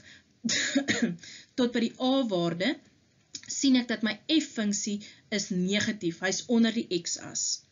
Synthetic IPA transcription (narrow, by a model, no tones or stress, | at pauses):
tɔt̚bədiʔɑːvɑːrdə | sinɛk̚dɐtməjɛfːəŋksi | əsniəχɐtifɦəjsɔnərdiʔɛksɐ̰s